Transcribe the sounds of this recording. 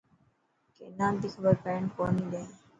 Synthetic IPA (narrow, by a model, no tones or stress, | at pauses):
kenãːnt̪iːxəbəɾpɛ̃ːɳkoːnĩːd̪ẽː